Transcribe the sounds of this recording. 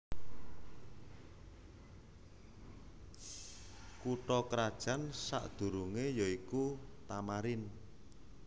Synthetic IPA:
kuʈɔkɾad̥ʒ̥ä̤nsa̰ʔd̪̥ṳɾuŋejɔikut̪amaɾɪn

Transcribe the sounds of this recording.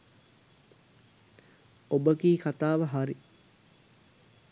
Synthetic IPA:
obəɡiːkʰat̪aːʋəɦaɾi

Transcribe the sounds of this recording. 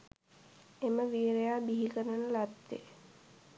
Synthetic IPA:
eməʋiːɾejaːbiɦikəɾənəlat̪ːḛ

